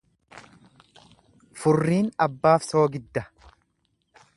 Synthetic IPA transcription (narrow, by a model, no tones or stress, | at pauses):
fʊrːiːnɐbːaːfso̞ːɡɪd̪ːɐ